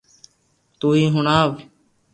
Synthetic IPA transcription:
t̪uːiːɦʊɳaːʋ

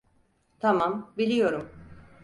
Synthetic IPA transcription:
t̪ʰamambilʲijo̞ɾum

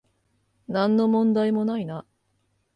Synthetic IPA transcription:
nãnːo̞mõ̞nd̪aimo̞naina

